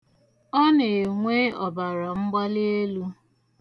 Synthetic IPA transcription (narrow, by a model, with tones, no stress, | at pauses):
ɔ˦ne˨ŋʷe˦ɔ˨ba˨ɾa˨ŋ͡m̩˦ɡ͡ba˦lɪ˦e˦lu˦